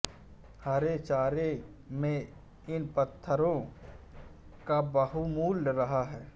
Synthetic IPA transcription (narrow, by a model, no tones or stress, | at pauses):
hɐɾet͡ʃaːɾemẽ | ɪnpət̪ʰːəɾõ | kabəɦumuːlɾɐɦaɦɛː